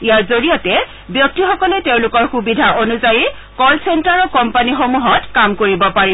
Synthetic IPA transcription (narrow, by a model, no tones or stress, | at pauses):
ijaɹzoɹijatɛ | bjɔk̚tixɔkɔlɛteʊ̃lʊkɔɹxubidʱaʔonuzaji | kɔlsentaɹɔkɔmpanixomuɦɔtkamkoɹibɔpaɹi